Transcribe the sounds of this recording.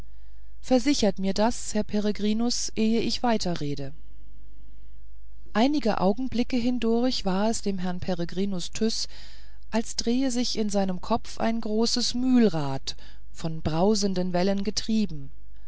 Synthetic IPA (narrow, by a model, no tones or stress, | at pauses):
fɛɐzɪçɐtmiːɐdashɛɐpʰeʁ̞eɡʁiːnʊs | ʔeːəɪçv̥aɪtʰɐʁeːdə | ʔaɪnɪɡə̰ʔa̰ʊɡŋ̩blɪkəɦɪndʊɐçv̥aːɐɛsd̥eːmɦɛɐnpʰeʁəɡʁiːnʊstʰʏs | ʔalsd̥ʁeːəzɪçɪnzaɪnəmkʰɔp͡fa̰ɪnɡʁoːsəsmyːlʁaːt | fɔnbʁaʊzəndənvɛlənɡətʁ̥iːbm̩